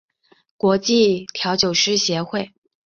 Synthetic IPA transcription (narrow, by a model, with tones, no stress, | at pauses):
kwɔ˧˥t͡ɕi˥˩t̪ʰjɑ˧˥ʊt͡ɕjo˨˩ʊʂɻ̩˥˩ɕjɛ˧˥xwe˥˩ɪ